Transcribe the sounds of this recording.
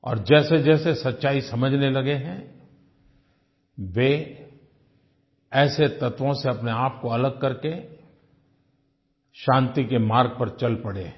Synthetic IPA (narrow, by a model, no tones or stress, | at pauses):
ɔ̰ːɾd͡ʒɛːsed͡ʒɛːsesɐtːʃaːisɐməd͡ʒʱnelɐɡeɦɛ̃ | ʋe | ɛːset̪ɐt̪ʋõseɐpneaːp̚koɐləɡ̚kɐɾke | ʃãːnt̪ikemaːɾɡ̚pɐɾt͡ʃɐlpɐɽḛː